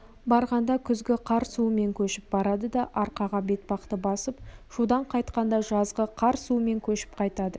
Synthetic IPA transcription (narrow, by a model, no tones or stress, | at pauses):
bɑɾʁɑnd̪ɑkʲʰʏzɡʲɪqʰɑɾsuəme̞ŋkʲʰɵʃɪp̚bɑɾɑd̪əd̪ɑʔɑɾqɑʁɑbe̞t̪̚bɑqt̪əbɑsəpʒud̪ɑɴqʰɑjt̪qɑnd̪ɑʒɑzʁəqʰɑɾsume̞ŋkʲʰɵʃɪ̥p̚qʰɑjt̪ɑd̪ə